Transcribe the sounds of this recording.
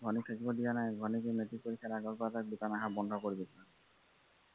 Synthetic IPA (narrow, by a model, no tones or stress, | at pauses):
ɡʱɔnit̪ʰakibɔd̪ianajɡʱɔnikemet̪ipoɾikʰːaɾaɡɔɾpɔat̪akbut̪anaɦabɔnɖʱɔkoɾibit̪ʰna